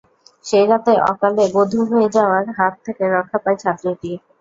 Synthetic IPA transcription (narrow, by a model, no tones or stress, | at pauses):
ʃeɾat̪eʔɔ̰kalebod̪ʱuɦoed͡ʑaoaɾɦat̪ʰːekeɾɔkʰːapajt͡ɕʰat̪ːɾiʈi